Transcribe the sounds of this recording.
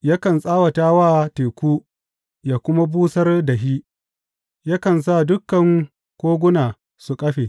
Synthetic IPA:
ja˦kɐ˨nsʼaː˦wɐ˨taː˦waː˦˨teː˨kʷuː˦ | jaː˨kʷʊ˦ma˦buː˦sɐ˦rdɐ˨ɦiː˦ | ja˦kɐ˨ns̬a˦˨dʊ˦kːɐ˨ŋ | kʷoː˦ɡʷʊ˦naː˨ | su˨kʼɐ˦ɸeː˨

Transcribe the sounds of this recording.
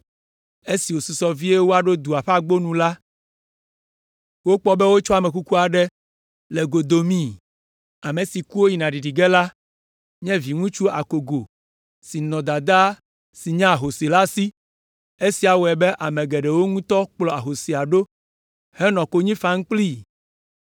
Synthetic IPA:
e˦si˨wo˨su˨sɔ˦vi˦e˦wo˦a˦˨ɖo˦d̪u˨a˨ɸa˦ɡ͡bo˦nũ˨la˦ | wo˦k͡pɔ˦bɛ˦wo˦t͡ʃɔ˦a˨mɛ̃˨k̬u˦ku˦a˨ɖɛ˦ | lɛ˨ɡo˨d̪o˨mĩ˦˨ | a˨mẽ˨si˨ku˦wo˦ji˨nã˨ɖi˨ɖi˨ɡɛ˦la˦ | ɲɛ̃˦vi˨ŋũ˦t͡ʃu˦a̰˨ko˨ɡo˨ | si˨nɔ̃˨d̪a˨d̪a˦ | si˨ɲã˦a˨ɦo˨si˨la˦si˦ | e˦si˨a˨wo˨ɛ˨bɛ˦ʔa˨mɛ̃˨ɡɛ˨ɖɛ˨wo˦ŋũ˦t̪ɔ˦k͡plɔ˨a˨ɦo˨si˨a˨ɖo˦ | hɛ˦nɔ̃˨ko˦ɲĩ˦fa˨˦ŋ̩˦k͡pli˦

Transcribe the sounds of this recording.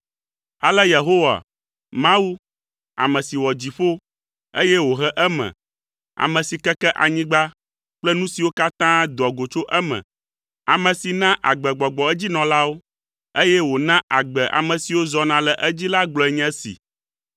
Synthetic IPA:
a˦lɛ˦je˨ɦo˦wa̰˨ | mã˦wu˦ | a̰˨mɛ̃˨si˨wɔ˨d͡ʑi˨ɸo˦ | e˦jɛ˦wo˨ɦɛ˦ʔɛ˦mɛ̰̃˨ | a̰˨mɛ̃˨si˨kɛ˦kɛ˦ʔa̰˨ɲĩ˦ɡ͡ba˦ | k͡plɛ˦nũ˦si˨wo˦ka˦t̪ã˦d̪ɔ˨ɡo˨t͡ʃo˦ʔɛ˦mɛ̰̃˨ | a˨mɛ̃˨si˨nã˦ʔa˨ɡ͡bɛ˨ɡ͡bɔ˨ɡ͡bɔ˨ɛ˦d͡ʑi˦nɔ̃˨la˦wo˦ | e˦jɛ˦wo˨nã˦ʔa˨ɡ͡bɛ˨ʔa̰˨mɛ̃˨si˨wo˦zɔ˨nã˨lɛ˨ʔɛ˦d͡ʑi˦la˦ɡ͡blɔ˨ɛ˨ɲɛ̃˦sḭ˨

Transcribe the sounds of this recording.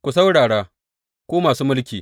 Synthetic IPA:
kʷu˨s̬a˦wɽaː˨ɽaː˦ | kʷoː˦maː˨suː˦mʊ˦lkʲiː˨

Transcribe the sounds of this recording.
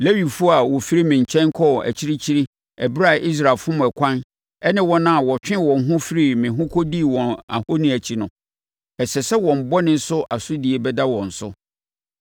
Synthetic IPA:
le˦wi˨fu˦a˨wɔ˨fi˦ɾi˦mɪ̃˨ɲ̩˨t͡ɕʰɛ̃˦n˦kʰɔ˦˨æ̰˨t͡ɕʰi˦ɾi˦t͡ɕʰi˦ɾi˦ | ɛ˨bɾa˦˨ʔi˦s̬ɾa˨lfʊ̃˦m̃˨ɛ˨kʷʰã˦n | ɛ˦nɪ̃˦wɔ̃˦nã˦a˨wɔ˨t͡ɕᶣɪ̃˦wɔ̃˨n˦ɦʊ̃˦fi˦ɾi˦˨mɪ̃˨ɦʊ̃˦kʰɔ˦di˦˨wɔ̃˨na̰˨ho˦nĩ˦æ˨t͡ɕʰi˦nʊ̃˨ | ɛ˨sɛ˨sɛ˦wɔ̃˨m̩˨bɔ˦nɪ̃˦n̩˦sʊ˦ʔa˨sʊ˦di˨ɛ˨bɛ˦da˦wɔ̃˨n̩˨sʊ˦

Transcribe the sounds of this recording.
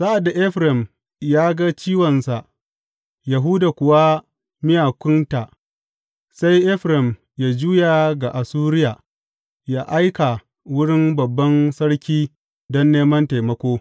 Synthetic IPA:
sa˦ʔa˨dːa˨ʔɛ˦ɸɾɛ˨m | jaː˦ɡa˦t͡ʃiː˦wɐ˨nsa˨ʔ | ja˨ɦʊ˦da˨kʷʊ˨wa˦ | mɪ˦jaː˨kʷʊ˦nta˨ʔ | sa˦jʔɛ˦ɸɾɛ˨m | jaː˦d͡ʒuː˦ja˨ɡa˨ʔa˨suː˦ɾɪ˦ja˨ | jaː˦ʔa˦jka˨ | wʊ˦ɽɪ˦mbɐ˨bːɐ˦nsɐ˦ɽkʲiː˦ | dɔ˦nːeː˦mɐ˦nta˨mɐ˦kʷoː˦

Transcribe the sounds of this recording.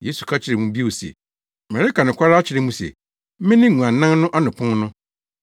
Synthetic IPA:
je˦su˨kʰa˦t͡ɕʰɪ˨ɾɛ˨mũ˦bi˦o˨sɛ̰˨ | mɛ˨ɾɪ˦ka˨nʊ̃˨kʰʷa˦ɾa˦a˦t͡ɕʰɪ˨ɾɛ˨mũ˦sɛ̰˨ | mɪ̃˦nɪ̃˦ŋũ˨ã˨nã˦nnʊ̃˦ʔa˦nʊ̃˨pʰʊ̃˦nnʊ̃˦

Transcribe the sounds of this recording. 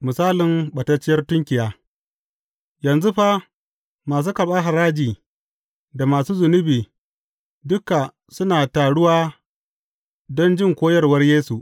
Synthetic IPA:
mʊ˨saː˦lɪ˨mɓɐ˨tɐ˦t͡ʃɪ˦jɐ˦rtʊ˦ŋkʲɪ˨jaː˦ | jɐ˨nzu˦ɸa˦ | maː˨s̬uː˦kɐ˨ɓaː˦ɦa˨ɾaː˦d͡ʒiː˨ | da˨maː˨suː˦zʊ˨nʊ˦biː˨ | dʊ˦ka˨ | sʊ˦naː˨taː˨ɽʊ˦waː˦ | dɔ˦nd͡ʒɪ˦ŋkʷoː˦jɐ˦rwɐ˦rjeː˦su˨ʔ

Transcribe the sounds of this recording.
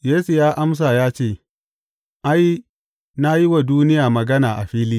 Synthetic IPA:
jeː˦su˨jaː˦ʔa˦ms̬a˨jaː˦t͡ʃeː˦˨ | ʔa˦j | na˦ji˦wa˨duː˦nɪ˦jaː˨mɐ˨ɡɐ˦naː˨ʔa˨ɸiː˦liː˦

